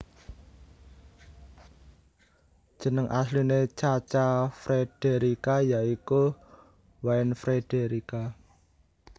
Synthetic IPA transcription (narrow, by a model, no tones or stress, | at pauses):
d̥ʒ̥ə̤nəŋʔa̰slinet͡ʃat͡ʃafɾed̥eɾikajaiku | waɪnfɾed̥eɾika